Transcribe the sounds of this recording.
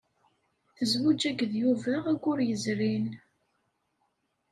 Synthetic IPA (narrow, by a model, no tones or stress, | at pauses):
θəzwud͡ʒæɡðjuvææɡʷʊɾjəzɾin